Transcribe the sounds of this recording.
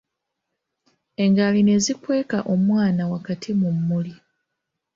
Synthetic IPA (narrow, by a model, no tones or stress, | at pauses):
e̞ŋɡaline̞zikwe̞ːkaʔo̞mwaːnawakatʰimumːuli